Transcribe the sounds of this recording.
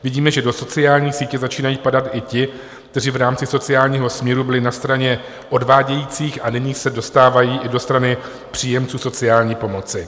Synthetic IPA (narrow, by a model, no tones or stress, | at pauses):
vɪɟiːmɛʒɛdo̞so̞t͡sɪaːlɲiːsiːcɛzat͡ʃiːnajiːpadat̪ʔɪcɪ | kt̪ɛrivɾaːmt͡sɪso̞t͡sɪaːlɲiːɦo̞smɲɛɾubɪlɪnast̪ɾaɲɛ | ʔo̞dvaːɟɛjiːt͡siːxanɪɲiːsɛdo̞st̪aːvajiːʔɪdo̞st̪ɾanɪ | pr̥iːjɛmt͡suːso̞t͡sɪaːlɲiːpo̞mo̞t͡sɪ